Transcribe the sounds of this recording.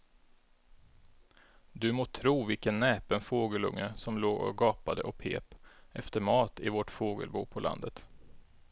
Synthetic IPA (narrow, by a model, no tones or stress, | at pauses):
d̪ɵmoːt̪ʰɾuːvɪlkənːɛːpənfoːɡəlɵ̰ŋːəsɔmloːɡɔ̰ɡɑːpad̪əʔɔkpʰḛːpɛft̪əɾmɑːt̪ɪvɔʈfoːɡə̰lbuːpʰɔlʔa̰nd̪ət̪